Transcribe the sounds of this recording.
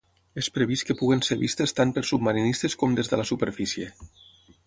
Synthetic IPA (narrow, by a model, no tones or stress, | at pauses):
espɾəβiskəpuɣənseβist̪əst̪ampəɾsub̚maɾinist̪eskɔmd̪ezðələsupəɾfisie